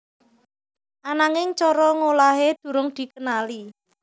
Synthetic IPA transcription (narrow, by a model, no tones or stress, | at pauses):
ʔanaŋɪŋt͡ʃɔɾɔŋolaɦed̪̥ṳɾʊŋd̪̥i̤kənali